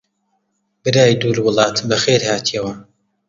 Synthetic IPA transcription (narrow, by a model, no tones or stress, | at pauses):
bɨɾaːjd̪uːɾwʊlˠɑːt̪bɐxeːɾhaːt̪ʰijɐwɐ